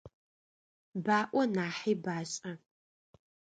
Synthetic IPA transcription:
baːʔʷɔnaːħiːbaːɕʼɐ

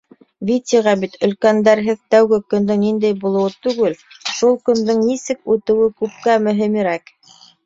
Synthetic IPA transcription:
vʲit̪ʲiʁɑbit̪ɵ̆lkænd̪æɾɦɘðt̪æwɡɘkɵ̆nd̪ɘŋnind̪æjbulˠŏwɤt̪ʉɡɘl | ʃulˠkɵ̆nd̪ɘŋnisɘkʉt̪ɘ̆wɘkʉp̚kæmɵ̆ɦɘ̆miɾæk

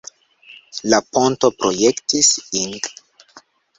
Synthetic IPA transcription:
lapontopɾojektisiŋɡ

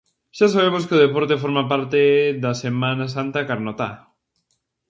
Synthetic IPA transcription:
ʃas̬aβ̞emoskeʊðepoɾt̪efoɾmapaɾt̪eðɐsemãnasant̪akaɾnot̪a

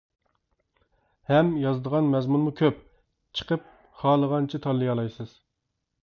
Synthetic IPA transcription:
hɛmjɑzd̪əʁɑnmɛzmunmukʲʰøp | t͡ʃʰə̥qʰəp̚ | χɑːlˠəʁɑnt͡ʃʰit̪ʰɑlˠːɨjɑlˠɑjsɨz̥

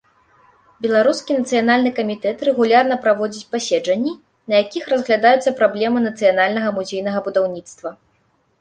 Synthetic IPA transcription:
bʲɛlˠaɾuskʲinɐt̪sɨjanalʲnɨkɐmʲit̪ɛt̪ɾɛɣulʲarnɐpɾavɔd͡zʲit͡sʲpasʲɛd͡ʐɐnʲːi | nɐjakʲixrɐzɣlʲad̪ajut̪sːɐpɾablʲɛmɨnɐt̪sɨjanalʲnɐɣɐmuzʲejnɐɣɐbud̪awnʲit̪st̪vɐ

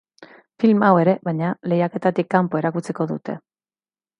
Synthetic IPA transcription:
filmawe̞ɾe̞βajɲale̞jake̞t̪at̪ikːampo̞e̞ɾakut͡siko̞ðṵt̪e̞̰

